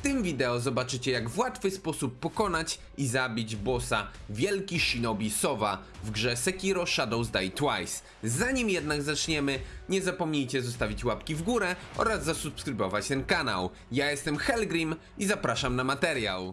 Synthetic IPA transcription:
ft̪ɘmvʲid̪ɛɔzɔbat͡ʂɘt͡ɕɛjaɡvwat̪fɘspɔsupːɔkɔnat͡ɕ | izabʲid͡ʑbɔsa̰ | vʲjɛlkʲiʂinɔbʲisɔva | vɡʐɛsɛkʲiɾɔʂad̪ɔwzd̪ajt̪wajs | zaɲimjɛd̪naɡzat͡ʂɲɛmɘɲɛzapɔmɲijt͡ɕɛzɔst̪avʲit͡ɕwapkʲivɡuɾɛʔɔ̰ɾazːasupskɾɘbɔvat͡ɕt̪ɛnkana̰w | jajɛst̪ɛmxɛlɡɾʲim | izapɾaʂamnamat̪ɛɾja̰w

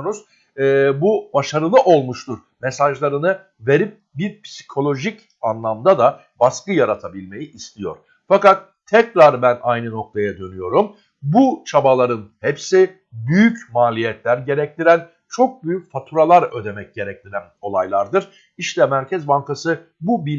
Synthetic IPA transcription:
onuz̥ː | bubaʃaɾɯlˠɯʔo̞lˠmuʃt̪uɾ | mesaʒlˠaɾɯnɯ | ve̞ɾip̚ | biɾpʰsi̥kʰo̞lʲˠo̞ʒic | anlˠamd̪ad̪a | baskɯjaɾat̪ʰabilʲme̞jiʔist̪ʰijo̞̰ɾ̥ | fakat̪ʰːɛcɾaɾbænajnɯno̞k̚t̪ʰajad̪ø̞nyjo̞ɾum | but͡ʃʰabalˠaɾɯnhepsi | byjycmaːlʲijɛt̪lʲæɾɟe̞ɾɛc̚t̪ʰiɾæn | t͡ʃʰo̞k̚byjycfat̪ʰuɾalˠaɾø̞d̪e̞mɛc̚ɟe̞ɾɛc̚t̪ʰiɾæno̞lˠajlˠaɾd̪ɯɾ̥ | iʃt̪ʰɛmæɾcʰɛzbaŋkasɯ | bubi

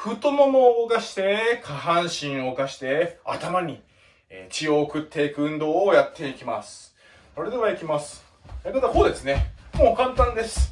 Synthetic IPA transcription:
ɸɯ̟t̪omomoːokaɕi̥t̪e̞kʰaɦãɰ̃ɕĩɰ̃o̞kaɕi̥t̪e̞a̰t̪amaɲ̟i | t͡ɕio̞ːkɯ̟t̪ʰːe̞ikɯ̟ɯ̟̃nd̪o̞ːjat̪ʰːe̞ikʲimasɨ̥ | soɾe̞d̪e̞βaikʲimasɨ̥ | enad̪akoːd̪e̞sɨne̞moːkãnt̪ãnd̪e̞sɨ̥

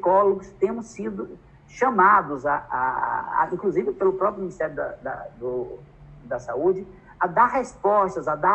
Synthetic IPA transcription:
sikɔloɡʊst̪ẽmʊsːid̪ʊ | ʃɐ̃mad̪ʊzaa̰ĩŋkluzivɪpelʊpɾɔpɾjuminist̪ɛɾjʊd̪ɐ̰d̪ɐ̰d̪ʊ | d̪ɐsaud͡ʒɪ | ɐd̪aɾɦespɔʃt̪ɐzɐd̪a

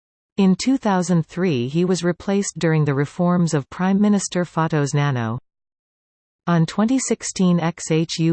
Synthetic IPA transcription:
ɪ̃ntʰʉθaʊzɨ̃nθɹiiwʌzɹɨpʰl̥eɪsd̥ʊɹɪ̃ŋðɨɹɨfɔɹmzʌv̥pʰɹ̥ãɪ̃mːɪ̃nɨstə˞fɑɾoʊznænoʊ | ə̃ntʰw̥ɛ̃ñtisɪkstʰĩnɛkseɪt͡ʃjʉ

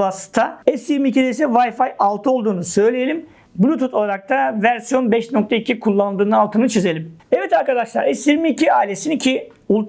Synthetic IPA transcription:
ast̪ʰaɛsjiɾmicid̪ɛjs̬ɛvajfajalˠt̪ʰɯo̞lˠd̪uːnusø̞jlʲejelʲim | blʲut̪ut̪ʰo̞lˠaɾak̚t̪ʰavæɾsijo̞nbɛʃnok̚t̪ʰaicʰikʰulˠːand̪ɯːnɯalˠt̪ʰɯnɯt͡ʃʰize̞lʲimɛvɛt̪ʰaɾkad̪aʃlˠaɾɛsjiɾmiːciaːilʲesinicʰi | ulˠt̪

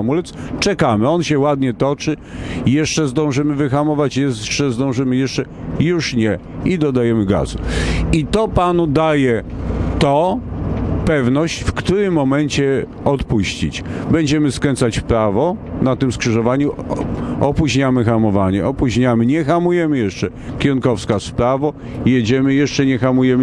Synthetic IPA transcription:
amulɛt̪st͡ʂɛkamɘɔnɕɛwad̪ɲɛt̪ɔt͡ʂɘjɛʂt͡ʂɛzd̪ɔ̃w̃ʐɘmɘvɘxamɔvat͡ɕjɛt͡ʂɛzd̪ɔ̃w̃ʐɘmɘjɛʂt͡ʂɛ | juʂɲɛ | id̪ɔd̪ajɛmɘɡa̰zṵit̪ɔpanud̪ajɛt̪ɔ | pɛvnɔɕt͡ɕfkt̪uɾɘmːɔmɛɲt͡ɕɛ | ɔt̪puɕt͡ɕḭt͡ɕbɛɲd͡ʑɛmɘskɾɛnt̪sat͡ɕpɾavɔnat̪ɘmskʂɘʐɔvaɲu | ɔpuʑɲamɘxamɔvaɲɛ̰ʔɔpuʑɲamɘɲɛxamujɛmɘjɛʂt͡ʂɛ | kʲɛɾunkɔfskaspɾavɔ | jed͡ʑɛmɘjɛʂt͡ʂɛɲɛxamujɛmɘ

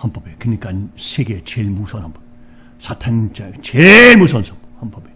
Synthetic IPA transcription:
hamp͈ʌbekɯɲik͈ansʰeɡet͡ɕeɭmusʰʌnhampʌb | sʰatʰant͡ɕat͡ɕeɭmusʰʌnsʰʌmhampʌbe

